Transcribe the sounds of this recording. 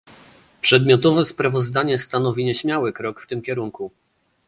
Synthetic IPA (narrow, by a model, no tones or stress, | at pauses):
pʂɛd̪mʲjɔt̪ɔvɛspɾavɔzd̪aɲɛst̪anɔvʲiɲɛɕmʲjawɘkɾɔkft̪ɘmkʲɛɾuŋku